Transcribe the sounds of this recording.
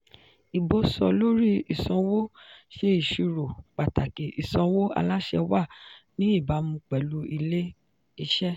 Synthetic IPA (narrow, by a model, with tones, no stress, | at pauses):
i˨bo˧sɔ˧lo˦ɾi˦i˨sɔ̃˧wo˦ʃe˧i˨ʃi˧ɾo˨k͡pa˨ta˨ke˨i˨sɔ̃˧wo˦a̰˧la˦ʃɛ̰˧wa˦˨nĩ˦i˦˨ba˨˦mũ˧k͡pɛ˨lu˨˦i˧le˦ | i˧ʃɛ˦